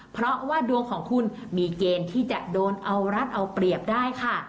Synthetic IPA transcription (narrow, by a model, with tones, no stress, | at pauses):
pʰɾɔ˦˥waː˥˩du˧əŋkʰɔː˩˦ŋkʰu˧n | miː˧keː˧nt̪ʰiː˥˩t͡ɕa˨˩ʔdoː˧nʔa˧wɾa˦˥t̪̚ʔa˧wpɾi˨˩əp̚daː˥˩jkʰa˥˩